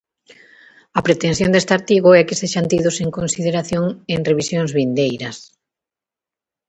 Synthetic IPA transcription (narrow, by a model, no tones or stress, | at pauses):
ɐpɾet̪ẽn̟θjõnd̪est̪aɾt̪iɣʊɛkeseʃant̪iðʊseŋkonsið̞eɾaθjoŋeŋreβisjoŋzβind̪ejɾɐs